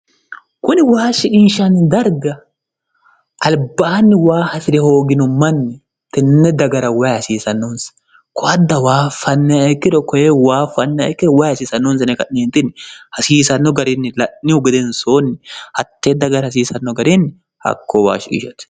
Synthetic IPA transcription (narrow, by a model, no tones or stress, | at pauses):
kʊnɪwaːʃɪkʼɪnʃɐnːɪd̪ɐɾɡɐ | ʔɐlbɐɐnːɪwaːhɐsɪɾɛho̞ːɡɪnɔmɐnːɪ | t̪ɛnːɛd̪ɐɡɐɾɐwajhɐsiːsɐnːɔnsɐ̥ | kɔʔɐd̪ːɐwaːfːɐnːɛɐjkːɪɾɔkɔjewaːfːɐnːɛɐ̰kːɪɾɔwajhɐsiːsɐnːɔnsɐnɛkɐʔneːnt̪ɪnɪhɐsiːsɐnːɔɡɐɾɪnːɪlɐʔɪʊɡɛd̪ɛnsoːnːɪhɐt̪ːeːd̪ɐɡɐɾhɐs̬iːsɐnːɔɡɐɾinːɪ | hɐ̰kːowa̰ːʃɪkʼɪ̰ʃɐt̪